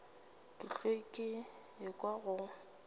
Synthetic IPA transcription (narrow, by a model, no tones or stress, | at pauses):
kʼɪɬekʼɪ | ɪkʼwaɣʊ